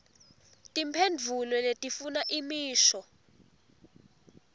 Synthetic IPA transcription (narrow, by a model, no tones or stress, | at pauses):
tʼimpʰend͡vʱulɔletʼifunaʔimiːʃɔ